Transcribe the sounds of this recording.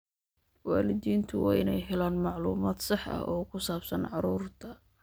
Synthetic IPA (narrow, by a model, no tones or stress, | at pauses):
waːlɪd̪iːnt̪ʰʊwɑːʔɪnɛjɦɛlaːnmɑʕlṵːmaːd̪sɑħɐ̰ɔːkʰʊsaːbsɐnʕɑɾuːrt̪ʰɐ